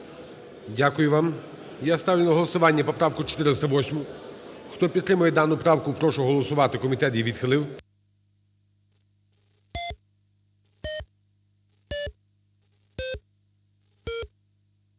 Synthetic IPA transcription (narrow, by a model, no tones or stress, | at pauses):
dʲakʊjʊʋɑm | jast̪ɑwlʲɪnɐɦɔlˠɔsʊʋɑnʲːɐpɔpɾɑwkʊt͡ʃe̥t̪ɪɾɪst̪ɐʋɔsʲmʊxt̪ɔpʲid̪t̪ɾɪmʊjɛd̪ɑnʊpɾɑwkʊpɾɔʃʊɦɔlˠɔsʊʋɑt̪ɪkɔmʲit̪ɛt̪jiʋʲid̪xɪlˠɪw